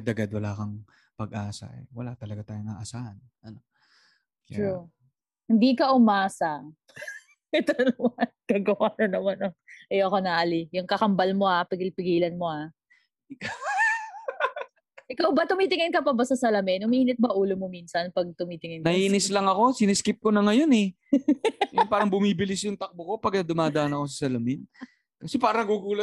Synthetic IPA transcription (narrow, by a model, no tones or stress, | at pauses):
d̪ɐɡad̪wɐlaːkɐŋ | pɐɡʔaːsɐ̰ʔɛ̰wɐlat̪ɐlɐɡat̪aːjʊŋaːʔɐsaːhɐn | ʔɐno | k̪ɹu | hɪnd̪ikɐʔʊmaːsɐ | ɛt̪onɐmɐnkaːɡɐwaːnɐnɐmanɐʔɐjoʔɐko̞nɐʔɐlijʊŋkɐkɐmbɐlmo̞hapɪɡɪlpɪɡiːlɐnmo̞ha | ɪkaw | ʔɪkawbɐt̪ʊmiːt̪ɪŋɪnkɐpɐbɐsɐsɐlɐmɛnʊmiʔiːnɪt̪̚bɐʔuːlomominsɐnpɐɡ̚t̪ʊmiːt̪ɪŋɪnɐhiːnɪslɐŋɐko̞sɪnɪskɪp̚konɐŋɐjo̞nɛ | jʊnpaːɾɐŋbʊmiːbɪlɪsjʊŋt̪ɐk̚boko̞pɐɡ̚nɐd̪ʊmaːd̪ɐʔɐnɐko̞s̬ɐsɐlɐmɪn | kɐsɛpaːɾɐɐɡuɡuːlɐt̪̚